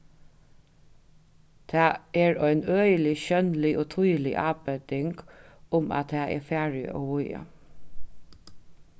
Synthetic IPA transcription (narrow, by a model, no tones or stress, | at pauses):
t̪ʰɑːeːɹœɪnœʏəlɪɕœnlɪʔoːt̪ʰujlɪ̰ʔɑːbœd̪ɪŋɡʊmɑ̰t̪ʰæːʔɛ̰ːfæːɹɪ̰o̰ːʋʊjə̰